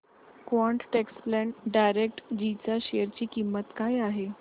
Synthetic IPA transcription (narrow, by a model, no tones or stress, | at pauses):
kʋɔɳʈʈeksplɛɳʈɖajɾek̚ʈd͡ʑit͡ɕaɕejəɾt͡ɕiːkimːət̪kajaɦe